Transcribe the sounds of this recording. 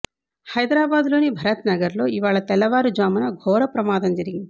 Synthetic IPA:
hɐjd̪ɾaːbaːd̪lo̞ːnibʱɐɾɐt̪nɐɡɐɾlo̞ːiʋaːɭɐt̪ɛlːɐʋaːɾud͡ʒʋaːmɐnɐɡʱɔːɾɐpɾɐmaːd̪ɐmd͡ʒɐɾiɡind̪i̥

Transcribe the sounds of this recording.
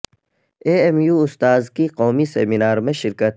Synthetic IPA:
eːemjuːʊst̪aːzkiqɔːmisḛminaːɾmẽʃɪɾkət̪

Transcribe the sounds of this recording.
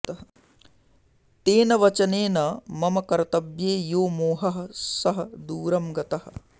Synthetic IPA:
t̪eːnɐʋɐt͡ʃɐneːnɐmɐmɐkɐɾɐt̪ɐbjeːjoːmoːɦɐɦɐ̆sɐɦɐ̆d̪uːɾɐmɡɐt̪ɐɦɐ̆

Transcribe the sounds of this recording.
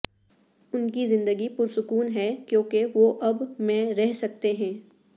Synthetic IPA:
ʊnkizɪ̃nd̪əɡipʊɾsʊkuːnɦɛkjõːkeʋoʔɐbmɛ̃ɾɛɦsɐk̚t̪eɦɛ̃ː

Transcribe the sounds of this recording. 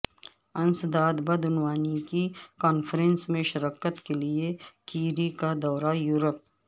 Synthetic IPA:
ɐ̃nsd̪aːd̪bəd̪ʊnwaːnikikɔːnfɾẽnsmẽʃɐɾəːkət̪keliekiːɾikad̪ɔːɾajuːɾəp̚

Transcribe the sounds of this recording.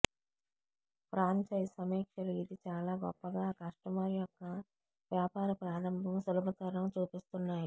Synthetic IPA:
pɾaːɲt͡ʃɐjɐsɐmɛːkʂɐluid̪it͡ʃaːlaːɡɔpːɐɡaːkɐʂʈɐmaːɾijɔkːɐ | ʋjaːpaːɾɐpɾaːɾɐmbʱɐmsulubʱɐt̪ɐɾɐɳɐmt͡ʃuːpist̪unːaːji

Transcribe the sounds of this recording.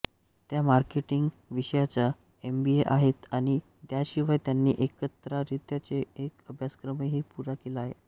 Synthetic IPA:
t̪jamaɾkeʈiŋɡ | ʋiɕəjat͡sa | embieʔaɦet̪aɽ̃i | t̪jaɕiʋajt̪janːḭːʔekət̪ɾaɾit̪jat͡seːkəbʱjaskɾəmeɦiːpuɾakelaɦḛ

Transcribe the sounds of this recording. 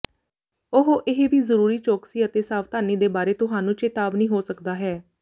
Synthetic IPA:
ʊɦoʔɪɦeʋiːzəɾuːɾiːt͡ʃoːksiːət̪eːsaːʋt̪aːniːd̪eːbaːɾeːt̪ʊɦaːnũːt͡ʃeːt̪aːbnĩːɦoːsəkd̪aːɦɛː

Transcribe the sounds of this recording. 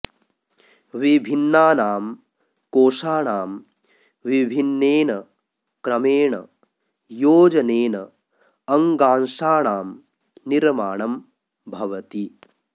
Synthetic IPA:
ʋibʱinːaːnaːm | koːʂaːɳaːm | ʋibʱinːeːnɐ | kɾɐmeːɳɐ̰ | joːd͡ʒɐneːnɐ | ɐŋɡaːnʃaːɳaːm | niɾmaːɳɐm | bʱɐʋɐt̪i

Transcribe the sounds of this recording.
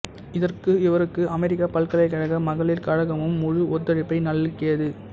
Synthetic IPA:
ɪðɐrkɯɪʋɐɾɯkːɯʔɐmɛɾɪkːapɐɭkɐɭɐɪkːɐɻɐɣɐmɐɣɐɭɪlkɐɻɐɣɐmɯmːʊɻɯʔɔt̪ːɐɻɪpːɐɪnɐɭːɯkːejɐðɯ

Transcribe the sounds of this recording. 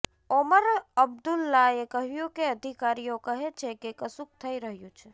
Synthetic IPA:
oməɾəbd̪ulːaekəɦjukeəd̪ʱikaɾijõkəɦet͡ʃʰekekəsuk̚t̪ʰəiɾəɦjut͡ʃʰe

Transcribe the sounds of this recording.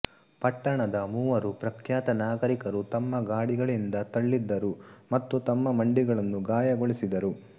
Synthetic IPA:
pɐʈːɐɳɐd̪ɐmuːʋɐɾupɾɐkʰjaːt̪ɐnaːɡɐɾikɐɾut̪ɐmːɐɡaːɽiɡɐɭind̪ɐt̪ɐɭːid̪ːɐɾumɐt̪ːut̪ɐmːɐmɐɳɖiɡɐɭɐnːuɡaːjɐɡoɭisid̪ɐɾu

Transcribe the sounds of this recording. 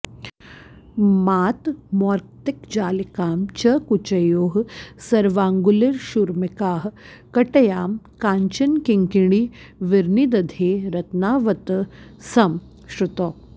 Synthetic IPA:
maːt̪mɔːɾk̚t̪ikd͡ʒaːlikaːmt͡ʃɐkut͡ʃɐjoːɦsɐɾʋaːŋɡuliɾʃuɾmikaːɦ | kɐʈɐjaːmkaːɲt͡ʃɐnkiŋkiɽ̃iː | ʋiɾnid̪ɐd̪ʱeːɾɐt̪naːʋɐt̪sɐm | ʃɾut̪oː

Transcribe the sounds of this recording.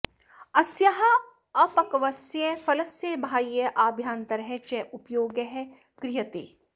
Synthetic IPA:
ɐsjɐɦɐ | ɐfɐkɐʋɐsjefɐlɐsjebʱaːjːeʔaːbʱjaːnt̪ɐɾɦɛt͡ʃɛʔʊpjoːɡəɦɛ | kɾɪjət̪ḛː

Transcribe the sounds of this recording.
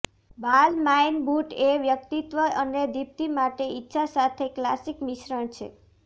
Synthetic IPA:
balmajnbuʈeʋjəkt̪it̪ʋəʔəned̪ip̚t̪imaʈeitːʃʰasat̪ʰeklasikmiʃɾəɳt͡ʃʰḛ

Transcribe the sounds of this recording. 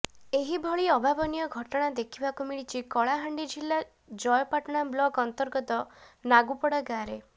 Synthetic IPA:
eɦibʱɔɭiɔbʱabɔnijɔɡʱɔʈɔɽ̃ad̪ekʰibakumiɭit͡ʃʰikɔɭaɦaɳɖid͡ʒʱilːa | d͡ʒɔjɔpaʈɔɽ̃ablɔɡɔnt̪ɔɾɡɔt̪ɔnaɡupɔɽɔɡaɾe

